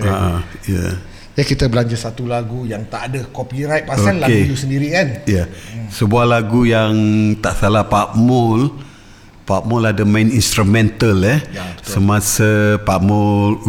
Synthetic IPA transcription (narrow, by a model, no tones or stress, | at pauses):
aʔaja̰ | d͡ʒakit̪əbəlaɲd͡ʒasat̪ulaɡujaŋt̪aʔːdəkopiɾajt̪̚paoankːlaet̪usəndiɾikanjasəbuahlaɡujaŋt̪aʔsalapaʔmɔl | paʔmɔladamãninst̪ɾumɛ̃nt̪əlɛsəmãsapaʔmɔl